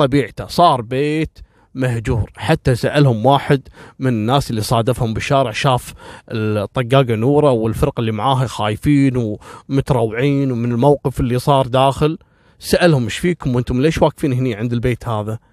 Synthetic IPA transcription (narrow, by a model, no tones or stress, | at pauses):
ɑbiːʕt̪asˤɑːɾˤbeːt̪ | mahd͡ʒuːɾħat̪ːasaʔalhʊmwaːħɪd̪mɪnɪnːaːsɪlːisˤɑːd̪afhʊmbɪʃːaːɾɪʕʃaːfɪt̪ˤːɑɡːaːɡanuːɾˤɑwɪlfɪɾqɪlːimaʕaːɦaxaːjfiːnwmʊt̪ɑɾˤɑwːʕiːnwmɪnɪlmawqɨfɪlːisˤɑːɾˤd̪aːxɪl | saʔalhʊmɪʃfiːkʊmwʔɪnt̪ʊmlʔeːʃwaːkfiːnɦniːʕɪnd̪ɪlbeːt̪haːða